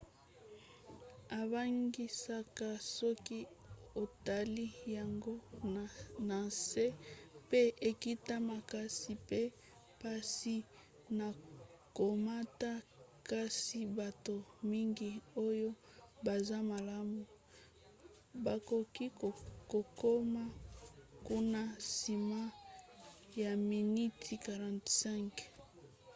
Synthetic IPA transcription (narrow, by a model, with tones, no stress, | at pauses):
a˨ba˦ŋɡi˦sa˦ka˦sɔ˦ki˦ | o˨ta˨li˦ja˨ŋɡo˦ | na˨se˦pe˦e˨ki˦ta˦ma˨ka˦si˨pe˦ | pa˦si˦ | na˨ | ko˨ma˦ta˦ka˦si˦ba˨to˨mi˦ŋɡi˨o˦jo˦ | ba˨za˦ma˨la˦mu˨ | ba˨ko˨ki˦ko˨ko˦ma˦ku˦na˦si˨ma˦ | ja˨mi˨ni˦tʰi˨ka˨ʁã˨tsɛ̃˦ŋk